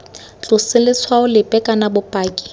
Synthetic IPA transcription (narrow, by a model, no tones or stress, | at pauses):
t͡ɬʼʊsɪlɪswaʊlɪpʼɛkʼanabʊpʼaːkʼi̥